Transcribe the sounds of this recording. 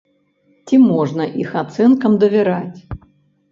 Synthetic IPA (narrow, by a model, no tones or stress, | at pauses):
t͡sʲimɔʐnɐʔixat̪sɛnkɐmd̪ɐvʲɛɾat͡sʲ